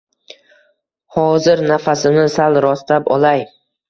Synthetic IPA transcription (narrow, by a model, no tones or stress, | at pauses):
hɒzɪɾnafasɪnɪsalɾɒst̪apɒlaj